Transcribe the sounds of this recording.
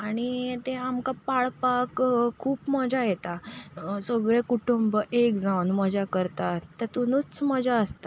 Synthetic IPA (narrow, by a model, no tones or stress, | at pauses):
aɽ̃it̪ẽamkapaɭpakkʰːuːpməd͡ʑajet̪asəɡɭẽkuʈumbəʔekd͡zawnməd͡ʑakəɾt̪at̪ət̪unut͡st͡sməd͡ʑaəst̪a